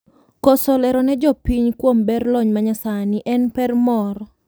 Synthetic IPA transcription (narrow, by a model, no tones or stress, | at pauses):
kɔsɔlɛɾɔnɛd͡ʒɔpiɲkwombɛrlɔɲmaɲasanɪʔɛnpɛrmɔɾɔ